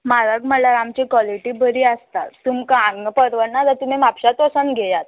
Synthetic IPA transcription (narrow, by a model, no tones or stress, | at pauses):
maɾəɡməlaɾamt͡ɕikʋɔliʈiːbəɾiːəst̪a̰ːumkaãŋɡəpəɾʋənːad̪əɾt̪um̤imapɕat̪ɔsənɡʱejat̪